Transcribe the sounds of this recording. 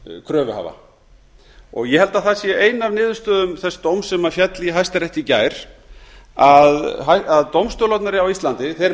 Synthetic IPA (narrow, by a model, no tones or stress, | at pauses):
kʰɾœːvʏha̰va̰ | ɔ̰ɣjɛhɛlt̪aθasjɛʔeːjnavnɪːðʏ̥st̪œːðʏmθɛsːt̪owmsɛmafjɛt̪liɦajst̪aɾɛjht̪icaːjɾ̥ | aðɦajaðt̪owmst̪ɔːlɔt̪naɾɪawist̪lant̪ɪθeɾ